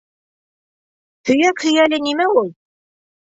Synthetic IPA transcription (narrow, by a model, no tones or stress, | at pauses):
hɵ̆jækhɵ̆jælɘnimæulˠ